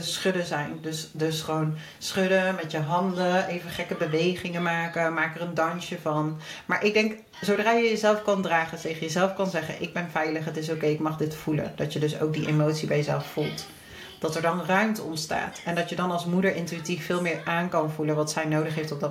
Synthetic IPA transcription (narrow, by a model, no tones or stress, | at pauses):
əsχʏdəzɛjndɵsdɵsχəʋown | sχɵdəmɛtjəɦɑndəʔejvəχɛkəbəʋejχɪŋəmaːkəmaːkərəndɑnʃəvɑnmaːɹʔɪɡ̚dɛŋk | zowdraːjəjəzɛlˠfkɑndraːχətejχəjəzɛlˠfkɑnzɛχə̰nʔɪɡ̚bɛnvɛjləχɦətɪs̬owkejɪkmɑχdɪtfulə̰nd̥ɑtjədɵso̰wk̚diʔemowtsibɛjəzɛ̰lˠffulˠt | d̥ɑtɛɹdɑnrœɥmtəɔ̰ntsta̰ːtɛndɑtjədɑnɑlˠsmudəɹʔɪntyitifːɪːlˠmɪːɹʔaːnkɑnvulənʋɑtsɛjnowdəχɦejftɔbdɑ